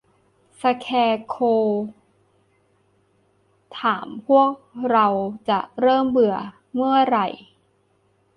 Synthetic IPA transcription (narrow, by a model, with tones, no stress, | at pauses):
sa˧kʰɛː˧kʰoː˧ | t̪ʰaː˩˦mpʰu˥˩ək̚ɾa˧wt͡ɕa˨˩ʔɾɤː˥˩mbɯ˨˩ə | mɯ˥˩ɐɾa˨˩j